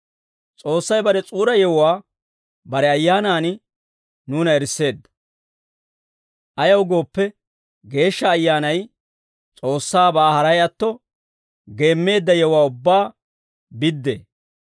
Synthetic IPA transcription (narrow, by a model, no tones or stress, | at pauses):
t͡sʼo̞ːsːɐjbɐɾɛt͡sʼuːɾɐjɛwʊwaː | bɐɾɛɐjːaːnaːnɪ | nuːnɐɛɾsːe̞ːd̪ːɐ̥ | ʔɐjɐwɡo̞ːpːɛ | ɡe̞ːʃːɐːjːaːnɐj | t͡sʼo̞ːsːaːbaːhɐɾɐjɐt̪ːɔ | ɡe̞ːmːe̞ːd̪ːɐjɛwʊwaːʊbːaː | bɪd̪ːḛː